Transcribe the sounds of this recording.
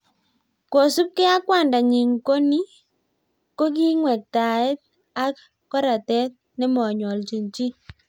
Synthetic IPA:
ko˨su˦p̚kɛ˦a˦kwa˦˨nda˨ŋi˨ŋko˦ni˦ | ko˦k̬i˦ŋwɛ˨k̚ta˨ɪ˦t̚ | a˦k | ka˦ɾa˨tɛ˦t̚ | nɛ˦mɔ˨ɲɔ˨lt͡ʃi˨nt͡ʃi˦

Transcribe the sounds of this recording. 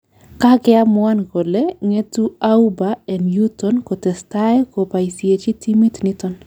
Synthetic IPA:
ka˦ɡɛa˦mwa˦nɡo˨le˦ŋe˦tu˦aubaɛ˨nju˦tɔnkɔ˨tɛ˨stae˦kopa˨isije˨t͡ʃi˦ti˦mi˦tnitɔn

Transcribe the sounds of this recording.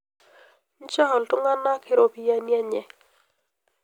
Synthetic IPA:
n̩˦t͡ʃa˦hɔ˨ltʊ˦ŋa˦na˦kʰɪ˦˨ɾo˨pi˨ja˦nja˦ɲɛ˨

